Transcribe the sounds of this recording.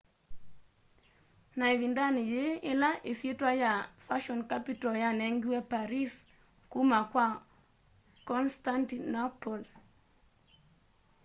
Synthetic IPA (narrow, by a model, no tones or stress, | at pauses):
naiβindanɪjeɪlaʔesjetwajafaʃɔnkapitɔjanɛŋɡiwɛpaɾis | kumakwa | kɔnstantinapɔl